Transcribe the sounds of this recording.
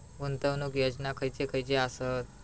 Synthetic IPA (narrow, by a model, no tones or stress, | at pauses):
ʋunt̪əʋnukjəd͡ʑnakʰəjt͡sekʰəjt͡seasət̪̚